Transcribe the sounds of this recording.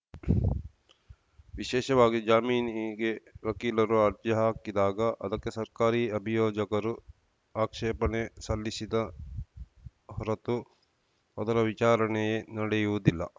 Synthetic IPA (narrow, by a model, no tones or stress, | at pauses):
ʋiʃɛːʃɐʋaːɡid͡ʒaːmiːnɡeʋɐkiːlɐɾuaːɾd͡ʒɐɦaːkid̪aːɡɐʔɐ̰d̪ɐkːesɐɾkaːɾiːɐbʱijoːd͡ʒɐkɐɾu | aːkʂɛːpɐɳesɐlːisid̪ɐ | ɦɔɾɐt̪u | ɐd̪ɐɾɐʋit͡ʃaːɾɐɳejenɐɽɛjuʋud̪ilːɐ̰